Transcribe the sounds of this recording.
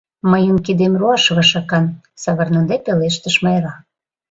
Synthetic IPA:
məjumkid̪emruɑʃβɑʃɑkɑn | sɑβə̆rnɤ̆d̪epeleʃt̪ə̆ʃmɑjɾɑ

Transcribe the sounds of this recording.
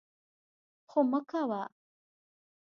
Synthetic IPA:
xoməkawa

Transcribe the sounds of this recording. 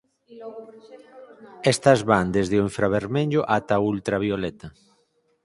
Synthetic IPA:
est̪ɐzβand̪ezðeoeɱfɾaβeɾmeʎʊʔat̪ault̪ɾaβ̞iolet̪ɐ

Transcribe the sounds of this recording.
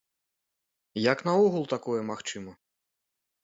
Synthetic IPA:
jɐknɐɔɣulˠt̪akɔjɛmaxt͡ʃɨmɔ

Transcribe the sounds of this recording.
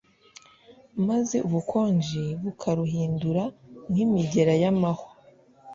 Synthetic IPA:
maze̞̰ʔuβukʰo̞ːɲd͡ʒiβukʰaɾuɦiːnduɾaŋhimiɟe̞ɾajamaho

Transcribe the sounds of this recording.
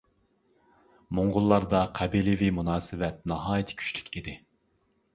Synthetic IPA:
moŋʁʊlˠːɑɾd̪ɑqʰɛbilɪvimunɑːsɪvɛt̪̚nɑɦɑːjit̪ʰɪ̥kʲʰy̥t͡ʃly̥kʲʰid̪ɪ

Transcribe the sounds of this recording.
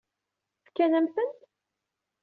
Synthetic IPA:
fkːænæmθənt̪

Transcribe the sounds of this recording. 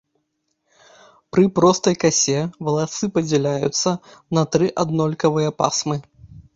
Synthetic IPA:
pɾɨpɾɔst̪ɐjkasʲɛvɐlˠasɨpɐd͡zʲɛlʲajṵt̪sːɐnɐt̪ɾɨʔad̪nɔlʲkɐvɨjɐpa̰smɨ

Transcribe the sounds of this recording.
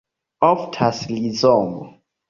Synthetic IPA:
ɔftʰaslizɔːŋɔ

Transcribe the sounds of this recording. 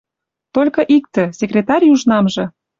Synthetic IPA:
t̪olʲkɤ̆ʔik̚t̪ə̆sʲekrʲet̪ɑɾʲjuʒnɑmʒɤ̆

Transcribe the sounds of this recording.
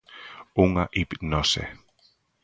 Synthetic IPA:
uŋaʔipnosḛ

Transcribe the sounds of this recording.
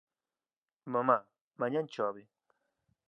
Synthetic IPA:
mama | maɲant͡ʃobi

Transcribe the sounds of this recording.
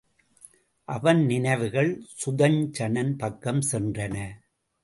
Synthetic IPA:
ʔɐʋɐnnɪnɐɪʋɯɣɐɭsʊðɐɲt͡ʃɐnɐnpɐkːɐmsɛndrɐnɐ

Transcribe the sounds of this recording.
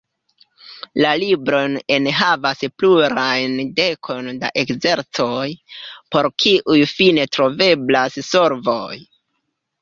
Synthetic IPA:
lalibɾo̞nenɦavaspluɾajnde̞kʰo̞nda̰ʔe̞kze̞ɾt͡so̞jpo̞ɾkʰiʔujfine̞tɾo̞ve̞blasso̞ɾvo̞j

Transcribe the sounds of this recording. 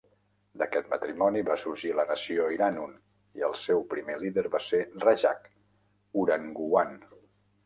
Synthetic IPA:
d̪əkɛt̪mə̰t̪ɾimɔniβasuɾʒilənəsioiɾanun | iəlˠsewpɾimeliðəɾβaseraʒa̰k | uɾəŋɡuan

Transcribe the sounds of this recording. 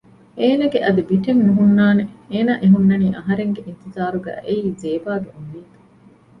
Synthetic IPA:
eːnɐɡeʔɐd̪ibiʈeŋnuɦunːaːneeːnaːʔeɦunːɐniːʔɐɦɐɾeŋɡeʔint̪izaːɾuɡæ̰ːʔeiːzeːbaːɡeuniːt̪u̥

